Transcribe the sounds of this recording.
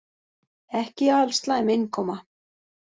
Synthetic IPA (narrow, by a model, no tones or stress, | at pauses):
ɛhcɪalst̪laɛmejnkʰɔːma